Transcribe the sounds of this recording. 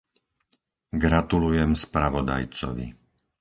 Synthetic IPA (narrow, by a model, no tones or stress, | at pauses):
ɡɾat̪ulujɛmspɾaʋɔd̪a̰jt͡sɔ̰ʋḭ